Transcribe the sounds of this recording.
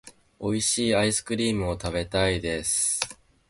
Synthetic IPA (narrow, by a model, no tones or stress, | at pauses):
o̞iɕiːaisɨ̥kɯ̟ɾʲiːmɯ̟o̞t̪abe̞t̪aid̪e̞sɨ̥